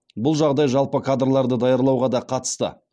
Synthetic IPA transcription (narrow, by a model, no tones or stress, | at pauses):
bʊlˠʒɑʁd̪ɑjʒɑlˠpəkʰad̪rlˠɑɾd̪əd̪ɑjɑɾlˠɑwʁɑd̪ɑqʰɑt̪ə̥st̪ə̰